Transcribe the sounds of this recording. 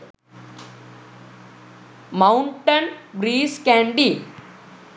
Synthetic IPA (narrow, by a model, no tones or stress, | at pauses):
mɐuɳʈɐnbɾiːskæːɳɖi